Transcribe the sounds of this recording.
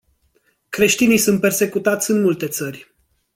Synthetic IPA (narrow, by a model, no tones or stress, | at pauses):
kɾe̞ʃt̪inijsunt̪̚pe̞rse̞kut̪at̪sʲɨnmult̪e̞t̪sərʲ